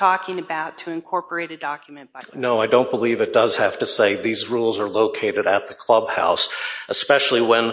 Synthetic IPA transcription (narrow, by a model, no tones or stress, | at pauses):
tʰɔkɪ̃ŋɨbaʊtʰɨɨ̃nkʰɔɹpə˞eɪɾɨdɑkjmɨ̃nb̥noʊaɪdõʊ̃nb̥əlivɨt̚d̥ʌz̥hæftɨseɪðizɹulˠzə˞loʊkʰeɪɾɨɾɨt̪̚ðɨkʰl̥ʌb̚ha̰ʊsəspɛʃl̩ˠiwə̃n